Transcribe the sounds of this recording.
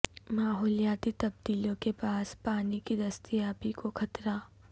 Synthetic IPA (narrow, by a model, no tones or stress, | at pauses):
maːɦɔːlijaːt̪it̪ɐb̚d̪iːlõkepaːspaːnikid̪ɐst̪ijaːbikoxʰɐt̪ɾaː